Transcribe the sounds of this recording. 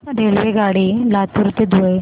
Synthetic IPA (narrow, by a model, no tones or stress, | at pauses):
ɾelʋeɡaɽiːlat̪uɾt̪ed̪uj